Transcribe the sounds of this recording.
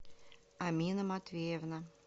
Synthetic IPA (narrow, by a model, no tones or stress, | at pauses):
amʲinəmat̪vʲejɛvnə